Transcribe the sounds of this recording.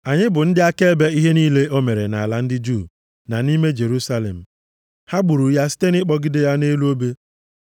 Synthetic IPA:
a˨ɲɪ˦bʊ˨n̩˦dɪ˦a˦ke˦e˦be˦i˦ɦe˦niː˦le˦ʔo˦me˨ɾe˨na̰˨a˨la˦n̩˦dɪ˦d͡ʒu˦˨ | na˨ni˦me˦d͡ʒe˨ɾu˦sa˦lḛ˨m̩˨ | ha˦ɡ͡bu˨ɾu˨˦ja˦si̥˦te˦nɪ˦k͡pɔ˦ɡɪ˦de˦ja˦ne˦lu˦o˦be˦

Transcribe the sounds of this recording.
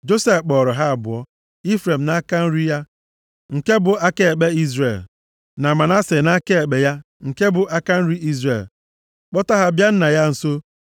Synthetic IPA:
d͡ʒo˦se˦fk͡pɔ˨ɾɔ˨ɦa˦a˨bʊ˨ɔ˦ | i˦fɾe˨m̩˨na˦ka˦n̩˦ɾi˦ja˦ | ŋ̩˨ke˦bʊ˨ʔa˦ke˦e˨k͡pe˦i˦zɾe˨l | na˨ma˨na˦se˨na˦ke˦e˨ɡ͡be˨ja˦ | ŋ̩˨ke˦bʊ˨ʔa˦ka˦n̩˦ɾi˦ʔi˦zɾḛ˨l | k͡pɔ˦ta˦ɦa˦bja˦n̩˦na˨ja˦n̩˨so˦

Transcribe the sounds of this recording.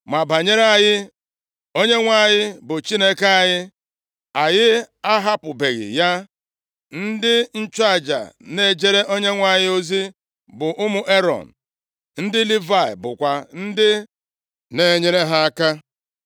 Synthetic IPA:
ma˨ba˨ɲe˦ɾe˦a˨jɪ˦ | o˦ɲe˦ŋʷa˨ɲɪ˦bʊ˨t͡ʃi˦ne˦ke˦a˨ɲɪ˦ | a˨jɪ˦a˦ɦa˦pʊ˨be˨ɣɪ̰˨ja˦ | n̩˦dɪ˦n̩˦t͡ʃa˦˨d͡ʒa̰˨ne˦˨d͡ʒe˦ɾe˦ʔo˦ɲe˦ŋʷa˨ɲɪ˦o˦zi˦ | bʊ˨ʔʊ˦mʊ˨ʔe˦ɾɔ̰˨n̩˨ | n̩˦dɪ˦li˦va˦˨ɪ̰˨bʊ̰˨kʷa˨n̩˦dɪ˦ | ne˦ɲe˦ɾe˦ɦa˦a˦ka˦

